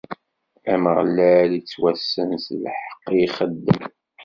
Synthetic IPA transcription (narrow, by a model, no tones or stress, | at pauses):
æməʁlːælit͡sːwæsːənslħə̥qːiχəd̪ːəm